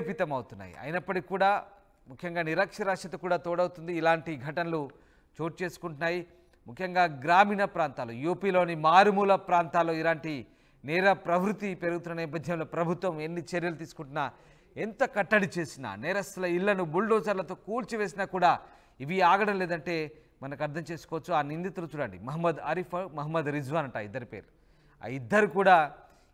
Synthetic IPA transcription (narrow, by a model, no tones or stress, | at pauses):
pit̪ɐmɐwut̪unːa̰ːjḭɐ̰jinɐpːɐʈikːuːɽaː | mukʰjɐŋɡaːniɾɐkʂɐɾaːkʂɐt̪ɐkuːɽaːt̪oːɽɐwt̪und̪iːlaːɳʈiɡʱɐʈɐnɐlu | t͡ʃo̞ːʈ̚t͡ʃe̞ːsu̥kuɳʈunːaːji | mukʰjɐŋɡaːɡɾaːmiːnɐpɾaːnt̪aːlṵjuːpiːlo̞ːnimaːɾmuːlɐpɾaːnt̪aːloːilaːɳʈi | nɛːɾɐpɾɐʋɾut̪ːipe̞ɾuɡut̪unːɐnɛːpːɐd̪ʱjɐmlo̞ːpɾɐbʱut̪ʋɐmenːit͡ʃeɾjɐlut̪iːsu̥kuɳʈunːaː | ent̪ɐkɐʈːɐɽit͡ʃe̞ːsina̰ːnɛːɾɐslɐilːɐnumuɭɖɔːt͡ʃɐɾlɐt̪o̞ːkuːlt͡ʃiʋe̞ːs̬inaːkuːɽaː | iʋiaːɡɐɽɐmleːd̪ɐɳʈe̞ː | mɐnɐkɐɾt̪ʰɐmt͡ʃe̞ːsu̥kɔːʋɐt͡ʃːuaːnind̪it̪ːulɐt͡ʃuɽɐɳɖimɐɦɐmːɐd̪ɐɾifɐmɐɦɐmːɐd̪ɾid͡ʒʋaːnɐɳʈa̰ːid̪ːɐɾipḛːɾu | a̰ːid̪ːɐɾikuːɽaː